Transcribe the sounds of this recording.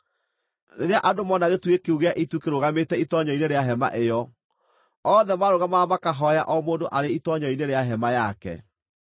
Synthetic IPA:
neɾeaʔadomɔnaɣetwekeuɣeaʔitukeɾoɣametɛitɔɲɔineɾeaɦɛma̰ʔejɔ | ɔːðɛmaɾoɣamamakaɦɔjaʔɔmoːndoʔaɾeitɔɲɔineɾeaɦɛmajakɛ̰

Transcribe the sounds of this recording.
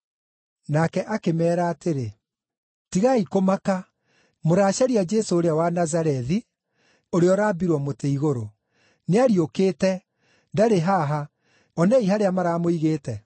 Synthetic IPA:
nakɛʔakemɛːɾaːtʰeɾe | tiɣaikomaka | moɾaːʃaɾiad͡ʒesoːɾeawanazaɾɛði | oɾeɔɾaːbiɾwɔmoteiɣoɾo | neaɾiokeːtɛ | daɾeɦaɦa | ɔnɛiɦaɾeamaɾaːmoiɣeːtɛ

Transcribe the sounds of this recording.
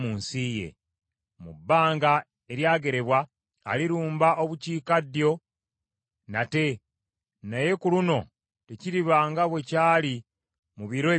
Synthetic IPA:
uːnsije̞̰ | mubːaːŋɡa | e̞ɾjaːɡe̞ɾe̞βwa̰ː | liɾuːmbaʔo̞βuciːkadjo̞ | nate̞ | naje̞kuluno̞ | teciɾiβaːŋɡaβwe̞caːli | muβiɾo

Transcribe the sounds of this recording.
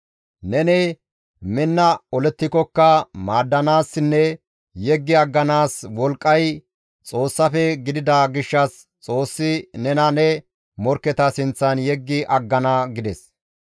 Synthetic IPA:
nɛnɛ | mɪnːɐɔlɛt̪ːɪkɔkːɐmaːd̪ːɐnaːsːɪnːɛ | jɛɡːɪɐɡːɐnaːswɔlkʼːɐj | t͡sʼo̞ːsːɐfɛɡɪd̪ɪd̪ɐɡɪʃːɐs | t͡sʼo̞ːsːɪnɛnɐnɛ | mɔɾkːɛt̪ɐsɪnt͡sːɐnjɛɡːɪʔɐɡːɐnɐɡɪd̪ɛs

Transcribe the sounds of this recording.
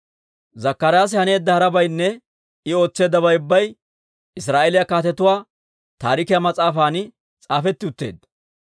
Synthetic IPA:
zɐkːɐɾjaːs̬ɪhɐne̞ːd̪ːɐhɐɾɐbɐjnːɛ | ɪo̞ːt͡sːe̞ːd̪ːɐβɐjʊbːɐj | ɪsɾaːʔelɪjɐkaːt̪ɛt̪ʊwaː | t̪aːɾɪkɪjɐmɐt͡sʼaːfaːnɪ | t͡sʼaːfɛt̪ːɪʊt̪ːe̞̰ːd̪

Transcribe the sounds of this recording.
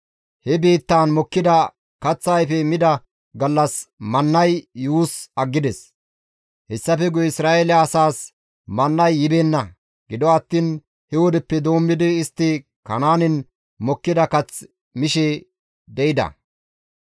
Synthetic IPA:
hɛbeːt̪ːaːnmɔkːɪd̪ɐ | kɐt͡sːajfɛmɪd̪ɐ | ɡɐlːɐsmɐnːɐjːuːsɐɡːɪd̪ɛs | hɛsːɐfɛɡʊɪsɾaːʔelɪɐːsaːs | mɐnːɐjːɪbeːnːɐ | ɡ̥ɪd̪ɔɐt̪ːiːn | hɛwɔd̪ɛpːɛd̪o̞ːmːɪd̪ɪːst̪ːɪ | kɐnaːnɪn | mɔkːɪd̪ɐkɐt͡s | mɪʃɛ | b̪ɛɪd̪ɐ̰

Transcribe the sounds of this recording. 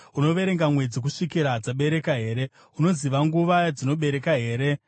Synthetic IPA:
uno̞ʋe̞ɾeŋɡamwe̞d͡zik̬uʂikiɾad͡zaɓe̞ɾe̞kaɦe̞ːɾe̞ | uno̞ziʋaŋɡuʋad͡zino̞ɓe̞ɾe̞kaɦe̞ːɾe̞

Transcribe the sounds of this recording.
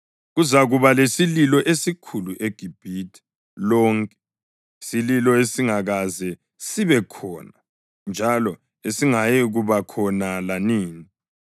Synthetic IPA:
ɣuzaɣuβalesililɔʔesikʰuluʔeɡ̥ʱib̥ʱitʰi̥ | lɔːŋkʼɛ̥ | sililɔesiŋaɣazɛ | siβɛkʰɔːna | nd͡ʒʱalɔ | esiŋajɛɣuβakʰɔnalaniːni

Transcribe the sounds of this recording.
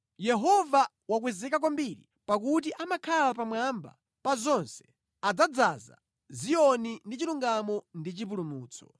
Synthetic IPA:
jɛɦɔva | wakwɛzɛkak̬wɔmbiɾḭ | pakut̬iʔamakʰalapamwamba̰ | pazɔnsɛ̥ | ad͡zad͡zaza̰ | zijɔnindit͡ʃiluŋɡamɔndit͡ʃip̬ulumuːt͡sʰɔ̥̰

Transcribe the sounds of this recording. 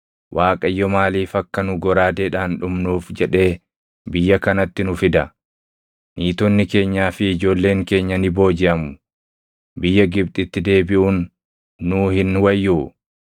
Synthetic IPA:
wʔaːkʼɐjːɔmaːliːfɐkːɐnʊɡɔɾaːd̪eːᶑaːnᶑʊmnuːfd͡ʒɛᶑe̞ː | bɪjːɐkɐnɐt̪ːɪnʊfɪd̪ɐ | niːt̪ɔnːɪke̞ːɲːaːfɪːd͡ʒo̞ːlːe̞ːŋke̞ːɲːɐnɪbo̞ːd͡ʒɪʔɐmʊ̥ | bɪjːɐɡɪb̚t̪ʼɪt̪ːɪd̪e̞ːbɪʔuːnː | uːhɪnwɐjːu

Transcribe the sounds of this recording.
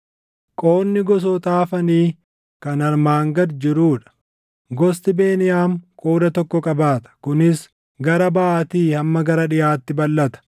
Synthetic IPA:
kʼo̞ːnːɪɡɔs̬ɔt̪aːfɐniː | kɐnɐɾmaːŋɡɐd̪d͡ʒɪɾuːᶑɐ̥ | ɡɔst̪ɪbe̞ːnɪjaːmkʼoːd̪ɐt̪ɔkːɔkʼɐbaːt̪ɐ̥kʊnɪs | ɡɐɾɐbaːt̪iːhɐmːɐɡɐɾɐᶑɪjaːt̪ːɪbɐlːɐt̪ɐ̥

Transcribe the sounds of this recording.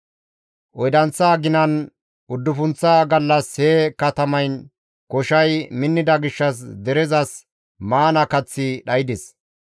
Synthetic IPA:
ʔɔjd̪ɐnt͡sːaːɡɪnɐn | ʊd̪ːʊfʊnt͡sːaːɡɐlːɐshekɐt̪ɐmɐjn | kɔʃɐjmɪnːɪd̪ɐɡɪʃːɐs̬d̪ɛɾɛzɐs | maːnɐkɐt͡sːɪɗɐjɪd̪ɪs

